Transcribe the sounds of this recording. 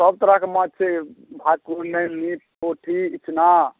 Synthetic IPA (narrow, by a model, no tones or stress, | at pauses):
səb̚t̪əɾakemat͡ʃʰebʱakuɾnenip | oʈʰiːt͡ʃʰna